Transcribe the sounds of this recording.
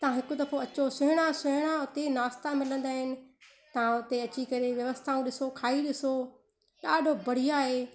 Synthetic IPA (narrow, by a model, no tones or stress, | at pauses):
t̪ɐɦãɦɪkʊd̪ɐfoɐt͡ɕosʊɦɪɽ̃asʊɦɪɽ̃aʊt̪enaːst̪amɪlə̃nd̪aːɦɪnɪ̆ | t̪ɐʋ̤ãʊt̪eɐt͡ɕikɐɾeʋjɐʋəst̪ʰaːũɗɪsokʰaːiɗɪso | ɗaːɖʱobɐɽ̤ijaːɦeː